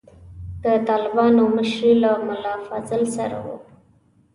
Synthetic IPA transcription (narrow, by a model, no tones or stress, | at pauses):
d̪̥ət̪ɑlɪbɑnoməʃɾilamʊlɑfɑzɪlsaɾa̰wu